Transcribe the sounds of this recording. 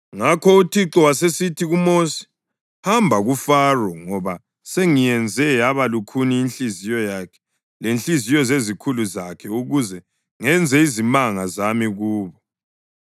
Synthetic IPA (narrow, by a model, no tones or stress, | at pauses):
ŋakʰɔutʰiǁɔwasesitʰiɣumosi̥ | hambʱaɣufarɔŋɔβa | seŋijɛnd͡zʱɛaβalukʰuniːnɬizijɔjakʰɛ̥ | lenɬizijɔzezikʰuluzakʰɛuɣuzɛ | ŋɛnd͡zʱɛizimaŋazamiɣuːβɔ